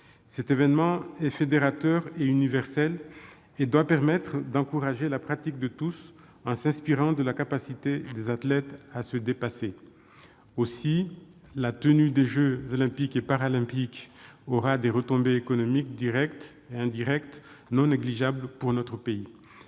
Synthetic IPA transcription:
sɛt̪evɛnmɑ̃ɛfed̪eʁat̪œʁeynivɛʁsɛl | ed̪wapɛʁmɛt̪χd̪ɑ̃kuʁaʒelapχat̪ik̚d̪ət̪us | ɑ̃sɛ̃spiʁɑ̃d̪əlakapasit̪ed̪ezat̪lɛt̪asəd̪epase | osi | lat̪ənyd̪eʒøzɔlɛ̃pikepaʁalɛ̃pikɔʁad̪eʁət̪ɔ̃beːkɔnɔmikd̪iʁɛkt̪ | eɛ̃d̪iʁɛkt̪ | nɔ̃neɡliʒablpuʁnɔt̪χəpei

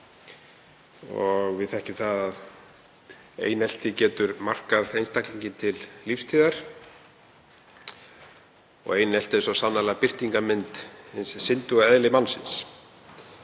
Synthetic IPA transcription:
ɔ̰ɣvɪðθɛhcɪθaðað | ḛːjnɛl̥t̪ɪcɛːt̪ʏɾmar̥kaðejnst̪akliɲcɪnt̪ʰɪllifst̪ʰiːðaɾ̥ | ɔ̰ɣejnɛl̥t̪ɪsɔsanːalaɣpɪr̥t̪iŋkamɪnt̪nssɪnt̪ʏɣaɛðlɪmanːsɪ̰ns

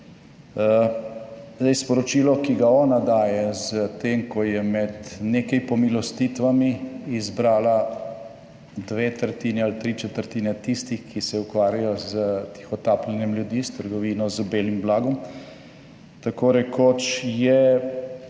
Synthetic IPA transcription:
zd̪ɛjspɔɾɔt͡ʃiːlɔkiɡaɔːnad̪aːjɛzət̪emkɔjɛmɛd̪neːkɛjpɔmilɔst̪it̪ʋamiːzbɾaːla | d̪ʋeːt̪əɾt̪iːnɛalt̪ɾiːt͡ʃɛt̪əɾt̪iːnɛt̪ist̪ixkisɛukʋaːɾjajɔzət̪i̥xɔt̪aːplɛnjɛmljud̪ist̪əɾɡɔʋiːnɔzəbeːlimblaːɡɔm | t̪akoɾɛkoːt͡ʃjɛ

